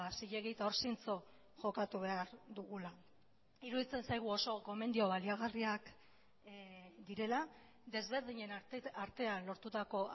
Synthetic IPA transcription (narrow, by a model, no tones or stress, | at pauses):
siʎe̞ɣit̪aoɾsint͡so̞ | ʝo̞kat̪uβ̞e̞aɾd̪uɣula | iɾuðit͡se̞nsajɣ̞uo̞so̞ko̞me̞nd̪io̞βaliaɣariak | d̪iɾe̞la | d̪e̞zβe̞ɾðiɲe̞naɾt̪e̞anlo̞ɾt̪ut̪ako̞